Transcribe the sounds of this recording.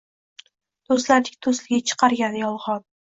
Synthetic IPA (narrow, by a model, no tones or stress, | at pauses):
d̪̥ost̪laɾd̪ɪkʲt̪ʰoslɪɡʲat͡ʃʰɨ̥qʰɑɾɡʲanɪjɒlˠʁɒd̪̚